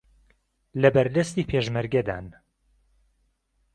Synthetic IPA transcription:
lɐbɐɾd̪ɐst̪iːpʰeʒmɐɾɡɐd̪a̰ːn

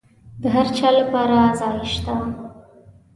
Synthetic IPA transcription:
d̪əɦaɾt͡ʃɑlapɑɾazɑjʃt̪a

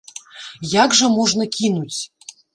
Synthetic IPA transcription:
jaɡʐəmɔʐnəkʲinut͡sʲ

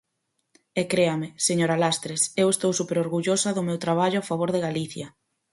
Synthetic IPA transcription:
ɛkɾeamɪseɲoɾalast̪ɾesewest̪owsupeɾoɾɣuʎosɐðʊmewt̪ɾaβ̞aʎʊafaβ̞oɾðeɣaliθjɐ

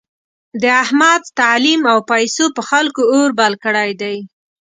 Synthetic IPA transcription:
d̪əahmad̪̚t̪alimawpajsopəxalkooɾbalkəɽajd̪aj

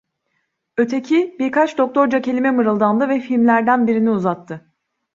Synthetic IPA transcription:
ø̞t̪ʰecʰibiɾkʰat͡ʃd̪o̞k̚t̪ʰo̞ɾd͡ʒacʰe̞lʲimɛmɯɾɯlˠd̪and̪ɯvɛfilʲmlʲæɾd̪ænbiɾiniuzat̪ʰːɯ

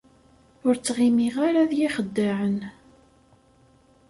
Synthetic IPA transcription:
ʊɾt͡sːʁimiʁaɾaðjiχəd̪ːaʕən

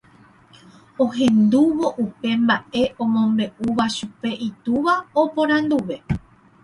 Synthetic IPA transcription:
o̞ɦẽ̞nd̪uʋo̞ʔupe̞mbaʔe̞ʔõ̞mõ̞mbe̞ʔuʋaʃupe̞ʔit̪uʋaopõ̞ɾ̃ãnd̪uʋe̞

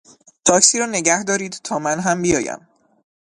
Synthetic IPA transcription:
t̪ʰɒːkʰsiːɾɒːne̞ɟæhd̪ɒːɾiːd̪t̪ʰɒːmænɦæmbijɒːjæ̰m

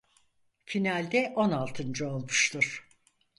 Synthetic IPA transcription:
finalʲd̪ɛʔo̞nalˠt̪ʰɯnd͡ʒɯo̞lˠmuʃt̪ʰuɾ̥

